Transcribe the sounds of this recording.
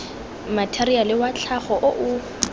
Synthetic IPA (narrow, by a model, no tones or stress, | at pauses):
matʰɛrialɪwat͡ɬʰaχɔʔoʔʊ